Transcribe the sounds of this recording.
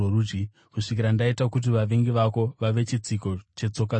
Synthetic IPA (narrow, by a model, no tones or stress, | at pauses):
orud͡ʒi | kuʂik̬iɾandaitakut̬iʋaʋeŋɡiʋako̞ʋaʋe̞t͡ʃit͡siko̞t͡ʃe̞t͡so̞ka